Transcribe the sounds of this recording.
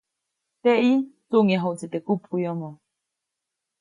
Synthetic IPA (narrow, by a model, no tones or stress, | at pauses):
t̪eit͡suŋaɦot͡set̪ekupkujɔmɔ̃